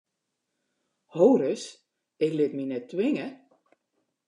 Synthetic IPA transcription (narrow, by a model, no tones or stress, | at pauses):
howɾəs | ɪklɪtminɛtːwɪŋə